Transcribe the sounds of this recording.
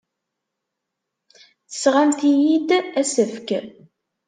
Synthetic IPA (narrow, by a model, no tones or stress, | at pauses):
θə̥sʁamt̪ijid̪æsəfk